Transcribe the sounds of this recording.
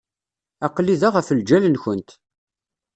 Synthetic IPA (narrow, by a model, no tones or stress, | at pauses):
æqlːiðaʁəfəld͡ʒælənçənt̪